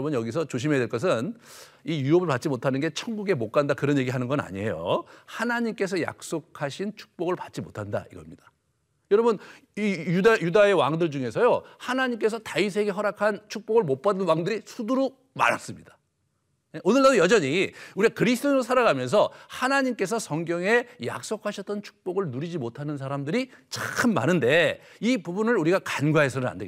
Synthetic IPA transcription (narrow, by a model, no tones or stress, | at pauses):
ʌbɯnjʌɡis̬ʰʌt͡ɕoɕ̬ʰimedweɭk͈ʌs̬ʰɯn | ijuʌbɯɭpat̚t͡ɕ͈imotʰanɯnɡe̞t͡ɕʰʌŋɡuɡe̞mok͈andakɯɾʌnje̞ɡiɦanɯnɡʌna̰ɲie̞̰jo̰hanaɲimk͈e̞s̬ʰʌja̰k̚s͈okʰaɕʰint͡ɕʰu̥k̚p͈oɡɯɭpat̚t͡ɕ͈imotʰanda̰iɡʌmɲid̥ḁ | jʌɾʌbɯn | ijudajudae̞waŋdɯɭd͡ʑuŋe̞sʰʌjohanaɲimk͈e̞s̬ʰʌtais̬ʰe̞ɡe̞ɦʌɾakʰant͡ɕʰuk̚p͈oɡɯɭmop͈adɯnwaŋdɯɾisʰuduɾo | ma̰ɾa̰s͈ɯmɲid̥ḁ | eonɯɭːadojʌd͡ʑʌɲiuɾiakɯɾis̬ʰtʰonosʰaɾaɡamjʌns̬ʰʌhanaɲimk͈e̞s̬ʰʌsʰʌŋɡjʌŋe̞ja̰k̚s͈okʰaɕʰʌt͈ʌnt͡ɕʰu̥k̚p͈oɡɯɭnuɾid͡ʑimotʰanɯns̬ʰaɾamdɯɾit͡ɕakʰɯnma̰nɯnde̞ipubunɯɭuɾiɡakanɡwae̞sʰʌnɯɾa̰nde